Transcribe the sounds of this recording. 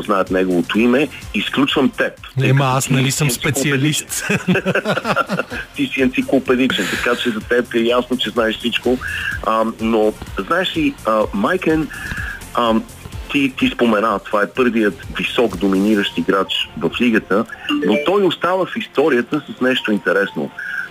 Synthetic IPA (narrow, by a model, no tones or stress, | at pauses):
znaɛt̪nɛɡovot̪oimɛisklʲut͡ʃvəmt̪ɛp̪kasnɐisəmnssɛlˠiɛliʃ | t̪isiɛnt̪siklˠopɛd̪it͡ʃɛnt̪ɐkat͡ʃɛzɐt̪ɛpɛjasnot͡ʃɛznaɛʃsit͡ʃkoənoznaɛʃliəmajkɛn | ə | t̪it̪ispomɛnat̪ovaɛpɤɾvijət̪visɔkd̪ominiɾəʃt̪iɡɾat͡ʃvɐfliɡət̪ənot̪ɔjost̪avəfist̪ɔɾiət̪əsəsnɛʃt̪oint̪ɛɾɛsno̰